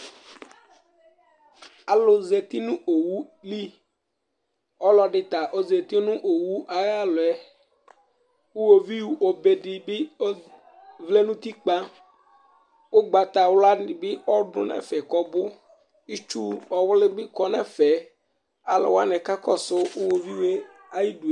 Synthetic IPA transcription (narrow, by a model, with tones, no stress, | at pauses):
a˨lʊ˨zɛ˨t̪i˦nũ˦ʔo˨wu˦li˦ | ɔ˦lɔ˨ɖɪ˨t̪a˨ʔo˦ze˨t̪i˦nũ˦ʔo˨wu˦ʔa˨ɣa˦lʊ˨ɛ˦ | wu˦wo˨vi˦wu˦o˨be˨ɖɪ˨bɪ˦ | vle˦nũ˦t̪i˦k͡pa˦ | wo˦ɡ͡ba˨t̪a˨wla˦nɪ˨bɪ˦wɔ˦ɖʊ̰˨nɛ̰̃˨fɛ˨kɔ˦bʊ˦ | i˦t͡ʃu˦ɔ˨wlɪ˦bɪ˦kɔ˦nɛ˨fɛ˨ | a˨lɔ̰˨wa˦nɛ̃˨ka˦kɔ˦sʊ˦ʊ˦wo˨vi˦we˦ | a˦ji˦du˨e˨